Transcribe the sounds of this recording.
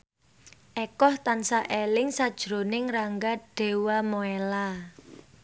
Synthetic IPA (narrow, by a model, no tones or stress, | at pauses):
ʔɛkɔht̪ansaʔelɪŋsad̥ʒ̥ɾonɪŋraŋɡaɖ̥e̤wamoela